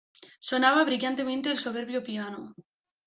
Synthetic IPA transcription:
so̞naβaβɾiʎant̪e̞mẽnt̪eːlso̞β̞e̞ɾβjopiano

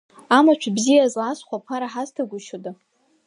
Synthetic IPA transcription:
amat͡ʃʷʰbzijazlasʷχʷapʰaɾaħaztʰaɡʷʊʃoda

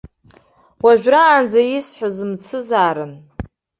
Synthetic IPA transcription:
waʒᶣraːnd͡zajisħʷozɨmt͡sʰɨzaːɾɨn

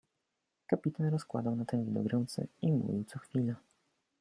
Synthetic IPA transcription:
kapʲit̪anɾɔskwa̰d̪awnat̪ɛŋɡʲid̪ɔ̰ɡɾɛwt̪sɛ̰imṵvʲiwt̪sɔxfʲila

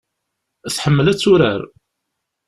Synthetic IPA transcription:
θħəmːəlæt͡sːʊɾəɾ

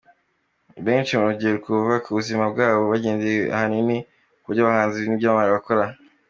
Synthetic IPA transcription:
βe̞ːnʃimaɾoɟieɾukʰuuvakʰuβuzimab̚ɡaːβo̞βaɟeːnzea̰hanini | kuɾɟaβahaːnziβnibɟaβaβaːɾiβako̞ɾa

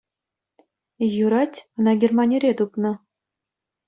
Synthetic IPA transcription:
juɾɑtʲɤ̆nɑɡʲermɑnʲeɾʲet̪upnɤ̆

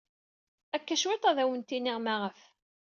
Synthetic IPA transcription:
ækːæʃwet̪ˤæðæwənt̪inɪʁmaʁəf

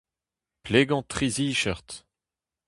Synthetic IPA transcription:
pleɡɑ̃t̪χiziʃœʁt̪

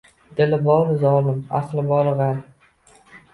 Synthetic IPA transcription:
d̪̥ɪlɪbɒlzɒlɪma̰χlɪbɒɾˠʁɑn

